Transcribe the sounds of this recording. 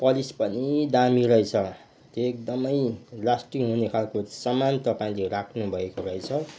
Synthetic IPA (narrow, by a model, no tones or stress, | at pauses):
pʌlispʌnid̪amiɾʌjt͡sʰʌ | t̪oek̚d̪ʌmʌjlasʈikɦunekʰalkosʌmant̪ʌpaĩlerakʰnubʱʌekoɾʌjt͡sʰʌ